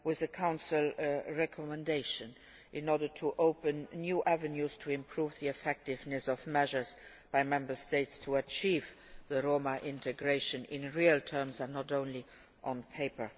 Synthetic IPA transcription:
wɪðəkʰãʊ̃nsɪlɹɛkʰɔmɛ̃ndeɪʃə̃n | ʔɪ̃nɔɹdə˞tʰuʔoʊpə̃nːjuːʔævənjuz̥tʰuɪ̃mpʰɹuːvðiɛfɛk̚tɪvnɨsɔvmɛʒə˞z | b̥aɪmɛ̃mbə˞steɪtstʰuət͡ʃʰiːv | ðəɹoʊməʔɪ̃ntʰəɡɹeɪʃə̃nɪ̃nɹiəltʰɜ˞mzə̃nnːɔtõʊ̃nli | ʔə̃npʰeɪpə˞

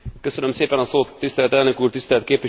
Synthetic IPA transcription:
køsø̞nømseːpɛnɒsoːt̪ːist̪ɛlɛt̪ɛlnøkuːrt̪ist̪ɛlt̪̚keːpʋi

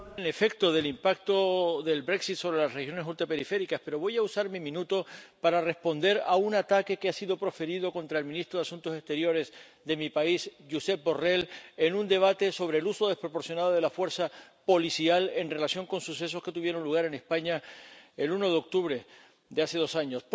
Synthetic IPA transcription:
ne̞fe̞k̚t̪o̞ðe̞limpak̚t̪o̞ðe̞lbɾe̞ksit̪so̞βɾe̞lasrexjo̞nesult̪ɾape̞ɾife̞ɾikaspe̞ɾo̞β̞o̞jausaɾmimĩnut̪o̞paɾare̞spo̞nd̪e̞ɾaunat̪ake̞keasiðo̞pɾo̞fe̞ɾiðo̞ko̞nt̪ɾae̞lmĩnist̪ɾoðasunt̪ose̞st̪e̞ɾjo̞ɾe̞z | ðe̞mipaisʝuse̞p̚bo̞re̞le̞nũnd̪e̞β̞at̪e̞so̞β̞ɾeːluso̞ð̞e̞spɾo̞po̞ɾsjo̞nað̞oð̞elafwe̞ɾsapo̞lisiale̞nre̞lasjo̞ŋko̞nsuse̞s̬o̞ske̞t̪uβje̞ɾo̞nluɣ̞aɾe̞ne̞spaɲae̞luno̞ðeo̞k̚t̪uβɾe̞ | d̪ease̞ð̞o̞saɲo̞s

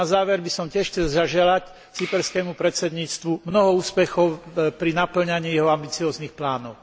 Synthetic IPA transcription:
azaːʋɛɾbisɔmcɛʃt͡sɛʒaʒɛlac | t͡sipɛɾskɛmupɾɛsɛd̪ɲiːt͡st̪ʋumnɔɦɔuːspɛxɔʊpɾinapl̩ɲaɲiːjɛɦɔambit͡siɔːzniːxplaːnɔʊ

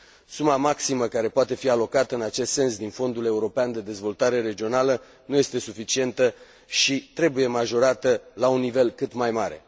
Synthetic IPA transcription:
sumamaksiməkaɾe̞poat̪e̞fialo̞kat̪əɨnat͡ʃe̞st̪se̞nsd̪info̞nd̪ule̞uɾo̞peand̪e̞d̪e̞zvo̞lt̪aɾe̞ɾe̞d͡ʒio̞nalə | nuje̞st̪e̞sufit͡ʃie̞nt̪ə | ʃit̪ɾe̞buje̞maʒo̞ɾat̪əlaunːive̞lkɨt̪majmaɾe̞̰

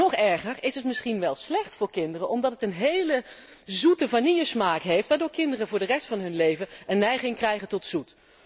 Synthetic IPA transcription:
ɔχɛɹχərɪsɦətmɪsχinʋɛlˠslɛχtfʊːɹkɪndərənʔɔmdɑtətənɦejlə | zutəvaniəsmaːkɦejftʋaːɹdʊːɹkɪndərəvʊːɹdərɛstfɑnɦɵnlejvənənːɛjχɪŋkrɛjχəntɔtsut

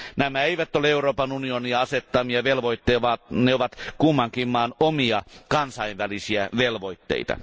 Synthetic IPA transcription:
næmæeiʋæt̪ːoleeuroːpɑnunioniɑɑset̪ːɑmiɑʋelʋoit̪ːejʋɑneoʋɑt̪kumːɑŋkimːˑɑːnomiɑkɑnsɑiʋʋælisiæʋelʋoit̪ːḛit̪ɑ̰

